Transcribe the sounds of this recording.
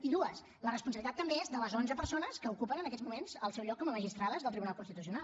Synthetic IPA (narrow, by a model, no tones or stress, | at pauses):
iðuəs | lərəspunsəβlit̪at̪ːəmbeezðələzonzəpəɾsonəskəukupənənəkɛzmumenzəlˠsɛwʎɔkːɔməməʒist̪ɾaðəzðəlt̪ɾiβunalˠkunst̪it̪usiunalˠ